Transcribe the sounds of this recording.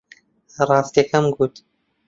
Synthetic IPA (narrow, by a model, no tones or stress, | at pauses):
rˤɑːst̪iɐkʰɐmɡuːt̪